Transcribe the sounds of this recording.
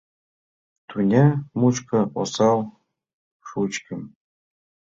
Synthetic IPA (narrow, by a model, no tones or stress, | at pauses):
t̪unʲemut͡ɕkɤ̆o̰sɑlˠ | ʂut͡ɕkʲɘ̆m